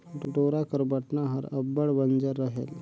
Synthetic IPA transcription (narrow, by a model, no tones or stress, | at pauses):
ʈuʈoɾakəɾbaʈnaɦə̰ɾəbːəɭʋənd͡zəɾːəɦḛl